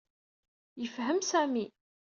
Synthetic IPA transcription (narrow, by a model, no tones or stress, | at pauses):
jəfɦəmsæmi